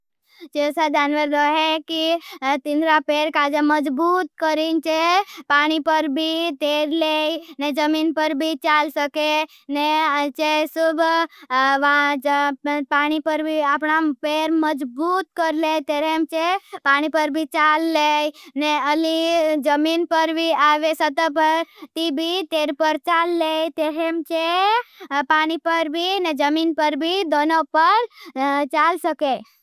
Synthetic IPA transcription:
t͡ʃesad͡ʒanʋəɾd̪oɦekit̪inɾapeɾkad͡ʒaməd͡ʒbuːt̪kəɾint͡ʃepaɽ̃ipəɾbʱit̪eɾlejned͡ʒəmiːnpəɾbʱit͡ʃalsəke | net͡ʃesubʱ | ʋã | paɽ̃ipəɾbʱiapɳapeɾməd͡ʒbuːt̪kəɾlet̪eɾemt͡ʃepaɽ̃ipəɾbʱit͡ʃalːeneəlid͡ʒəminpəɾbʱiaʋesət̪əpəɾt̪ibʱit̪eɾpəɾt͡ʃalːet̪eɾemt͡ʃe | paːɽ̃ipəɾbʱined͡ʒəmiːnpəɾbʱid̪onopəɾt͡ʃalsəke

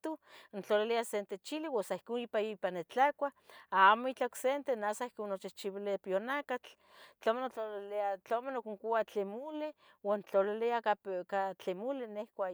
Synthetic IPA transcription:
t̪ont͡ɬoliliasent̪et͡ʃiliwasaihkonipajoipanːet͡ɬakʷaamoit͡ɬaksent̪enasaihkonːot͡ʃiht͡ʃiβilepjonakat͡ɬ | t͡ɬomenoolat͡ɬomenokuŋkuat͡ɬemule | want͡ɬolileaakat͡ɬemulenehkʷa

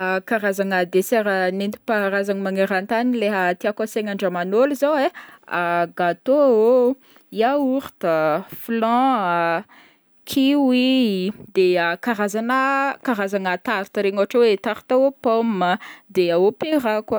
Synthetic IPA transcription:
akaɾazaŋəd̪eseɾənent̪u̥paɾazaŋmaŋeɾant̪anileɦət̪iakaseŋaɳɖ͡ʐəmanoluzaweaɡat̪oo | iauɾt̪əflɑ̃ | kʰiwid̪eakaɾazanəkaɾazaŋət̪aɾit̪əɾeɲoɦaʈ͡ʂawet̪aɾi̥t̪aopomːəd̪eaopeɾakwə

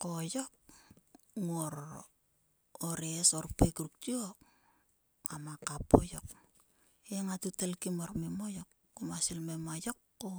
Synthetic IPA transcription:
kojok̚ | ŋoɾ | oɾesoɾpekɾuk̚tiok | amakapojok̚ | eŋatutelkimoɾmemojokːomasilmemajokːo

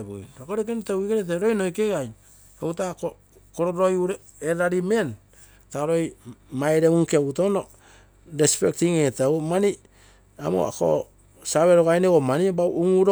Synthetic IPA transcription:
bṵntokoɾekentawikeɾet̬eɾojnojkeɡaj | ewtako | koɾoɾojuɾe | eɾaɾime̞n | taɾojmajɾeuŋkeutono | ɾespek̚tiŋetawmani | a̰mo̰ako̰ | saβeɾoɡajneɡomanibawʔuŋuɾo

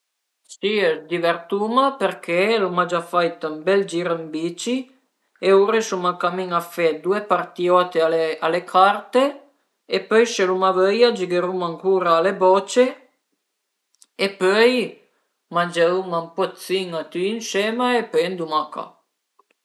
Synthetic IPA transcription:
siezd̪ivert̪umaperkʰelumad͡ʒafajt̪ambɛld͡ʒiɾambit͡ʃi | euɾesumakamiŋafed̪uepart̪iɔt̪eaealekʰart̪e | epøjʃelumavəjad͡ʒiɡeɾumaŋkuːɾaːlebɔt͡ʃe | epøj | mand͡ʒeumampɔt̪siŋat̪yːnsɛmaepøjnd̪umaka̰

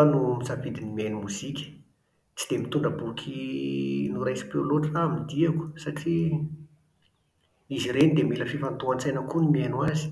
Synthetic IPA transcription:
anumizavid̪inimenumuz̥ikʲə̥ | t͡sid̪̥emit̪uɳɖ͡ʐəbukʰi | nuɾajsi̥peloʈ͡ʂaːmid̪iaku̥saʈ͡ʂi | iziɾenid̪emiləfifant̪oant͡sajnakunimianwazi̥

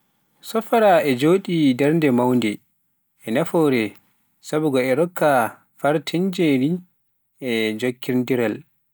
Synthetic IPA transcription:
sɔfaɾaʔɛd͡ʒoːɗidɛɾndɛmawndɛ | ʔɛnafɔːɾɛ | sabuɡɔɛɾɔkʰːa | faɾtʰiɲd͡ʒeni | ʔɛd͡ʒokːiɾndiɾal

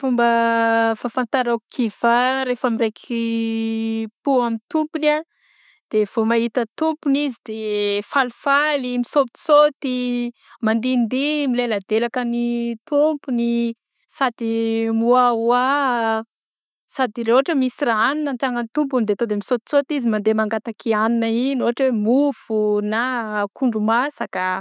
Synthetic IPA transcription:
fumbəfaːfant̪aɾaku̥kʰiv̥aɾefəmirekʰi | puamint̪umpuna | d̪̥ev̥omaɦit̪ət̪umpunizid̪̥efalfalimisop̪i̥sot̪imand̪ind̪imilelad̪elakənit̪umpuni | sad̪imuawa | sad̪irewɦaʈ͡ʂəmisiraaninənt̪aŋənit̪ump̬umid̪eat̪od̪emisot̪i̥sot̪izimand̪emaŋɡat̪akianinəinoaʈ͡ʂwemuv̥unakuɳɖ͡ʐumasaka

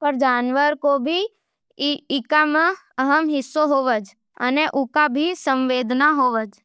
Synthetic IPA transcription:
pəɾd͡ʒaːnʋəɾkobʱi | ɪkamə̃ | əɦəmɦɪsːoɦoːʋəd͡ʒ | ə̰neʔʊkabʱisə̃mʋeːd̪ʱnaɦoːʋəd͡ʒ

